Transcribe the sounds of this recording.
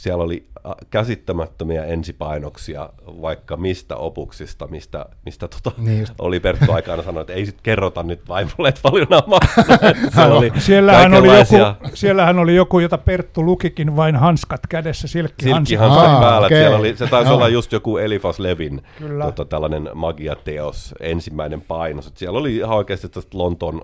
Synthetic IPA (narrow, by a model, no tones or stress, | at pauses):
siæloliɑkæsit̪ːæmæt̪ːømiæ̰ensipɑinoksiɑ̰ʋɑikːɑmist̪æ̰opuksist̪ɑmist̪æ̰mist̪æt̪o̥t̪ɑ̥o̰lipert̪ːuɑikɑːnɑsɑnoet̪eisit̪kerːot̪ɑnnyt̪ʋɑiʋoleːt̪pɑljonɑmmɑkːnet̪sælolisielːæhænolijokuɑsielːæhænolijokujot̪ɑpert̪ːulukikinʋɑinhɑnskɑt̪kædesːæsilkːisiɑnkːihænsompæːlːæseloliset̪ɑisolːɑjjust̪jokuelifɑsleʋinkyltːæot̪ɑt̪ælːænenmɑɡiɑ̰t̪eosensimːæinempɑinoset̪siɛloliihɑoikeːst̪it̪ːæst̪lont̪on